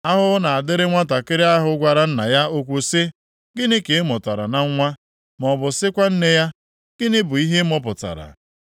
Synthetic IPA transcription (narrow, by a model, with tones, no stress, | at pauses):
a˦ɦʊ˦na˨a˨dɪ˦ɾɪ˦ŋʷa˦ta˨kɪ˦ɾɪ˦a˦ɦʊ˦ɡʷa˨ɾa˨n̩˦na˨ja˦o˦kʷu˨sɪ˦ | ɡɪ˦nɪ˦ke˨ɪ˦mʊ˨ta˨ɾa̰˨na˦ŋ̩˦ŋʷa˦ | m˨ɔ˨bʊ˨sɪ˦kʷa˦n̩˦ne˦ja˦ | ɡ̥ɪ˦nɪ˦bʊ˨i˦ɦe˦mɔ˦pʊ˨ta̰˨ɾa̰˨